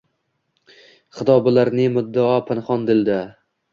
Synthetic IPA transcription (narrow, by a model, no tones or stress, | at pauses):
χɨt̪ʰɒbɪlaɾnɪmʊd̪ːaɒpʰɪnχɒnd̪ɪld̪a